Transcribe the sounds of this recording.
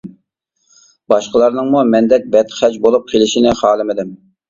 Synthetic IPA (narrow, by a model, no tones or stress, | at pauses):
bɑʃqəlˠɑɾnɨŋmumɛnd̪ɛk̚ʲbɛt̪χæt͡ʃbolˠup̚qʰelɪʃinɪχɑːlˠɨmɪd̪ɪm